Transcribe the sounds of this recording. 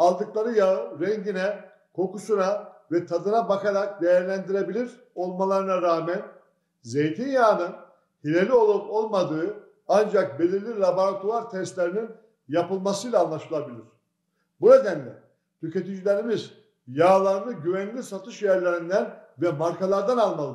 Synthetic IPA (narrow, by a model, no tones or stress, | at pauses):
alˠd̪ɯklˠaɾɯjaɯɾɛɲɟinɛ | kʰo̞kusunavɛt̪ʰad̪ɯnabakaɾak̚d̪ejæɾlʲænd̪iɾe̞bilʲiɾ | o̞lˠmalˠaɾɯnaɾaːmɛn | ze̞jt̪ʰinjaːnɯn | hilʲe̞lʲio̞lˠupo̞lˠmad̪ɯː | and͡ʒak̚be̞lʲiɾlʲilˠabaɾat̪uaɾt̪ʰɛsst̪lʲeɾinin | japɯlˠmasɯjlʲˠaːnlːˠaʃɯlˠabilʲiɾ̥ | buɾed̪ænd̪ʲɛ | t̪ʰyce̞t̪id͡ʒilʲeɾimiz | jaːlˠaɾnˠɯɟyvænlʲisat̪ʰɯʃjæɾlʲeɾind̪ænvɛmaɾkʰalˠaɾd̪analˠmalˠɯ